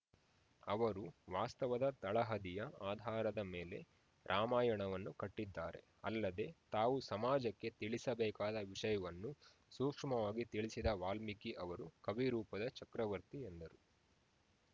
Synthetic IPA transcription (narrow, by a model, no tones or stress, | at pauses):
ɐʋɐɾuʋaːst̪ɐʋɐd̪ɐt̪ɐɭɐɦɐd̪ijɐaːd̪ʱaːɾɐd̪ɐmeːle̞̰ | ɾʔaːmaːjɐɳɐʋɐnːukɐʈːid̪ːaːɾe̞̰ | ɐ̰lːɐd̪e̞t̪aːʋusɐmaːd͡ʒɐkːe̞t̪iɭisɐbɛːkaːd̪ɐʋiʂɐjɐʋɐnːu | suːkʂmɐʋaːɡit̪iɭisid̪ɐʋaːlmikiʔɐʋɐɾukɐʋiɾuːpɐd̪ɐt͡ʃɐkɾɐʋɐɾt̪iend̪ɐɾu